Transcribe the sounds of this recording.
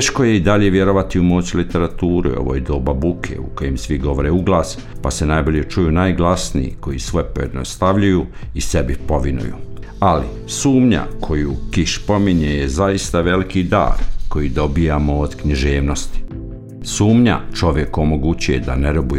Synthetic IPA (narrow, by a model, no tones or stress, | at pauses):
eʃko̞je̞id̪aʎe̞ʋjeɾo̞ʋat̪iumoːt͡ɕilit̪e̞ɾat̪uːɾṵo̞̰ʋo̰ːjd̪oːbabukʰḛuko̞jemsʋiɡo̞ʋoɾeuɡlaːs | pase̞najbo̞ʎe̞t͡ʃujunajɡlasnḭjḭko̞jisʋo̞jpo̞je̞d̪ino̰st̪aʋʎujuise̞bipo̞ʋinṵjṵ | ali | suːmɲa̰kʰo̞juːkiʃpo̞miɲejezaist̪aʋe̞likid̪a̰ːɾko̞jid̪o̞bijamoːd̪kɲiʒeːʋno̞st̪i̥ | suːmɲa̰t͡ʃo̞ʋje̞komoɡut͡ɕuje̞̰d̪a̰neɾobuje